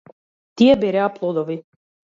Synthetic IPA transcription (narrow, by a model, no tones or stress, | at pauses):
t̪iɛbɛɾɛaplˠɔd̪ɔvi